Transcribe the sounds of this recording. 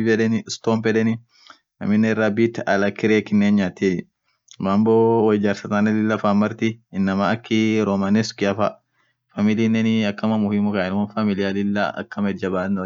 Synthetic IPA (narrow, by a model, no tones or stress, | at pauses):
fɛᶑɛnɪst̪oːmpɛᶑɛnɪ | nɐ̰mɪnːɛɪrːaːbiːt̪ːɐlɐkɪɾeːkɪnːeːnɲaːt̪eː | bamboːwɐd͡ʒɐɾsɐt̪aːnɐlɪlːɐfaːmːɐɾt̪ɪɪnːɐmaɐkːɪɾomanɛskɪɐfɐ | fɐmɪlinːɛnɪɐkːɐmɐmʊhiːmʊkɐɛnmonfɐmɪlɪjalɪlːa̰ɐ̰kːɐmɐɛd̪̚d͡ʒɐbaːnɔ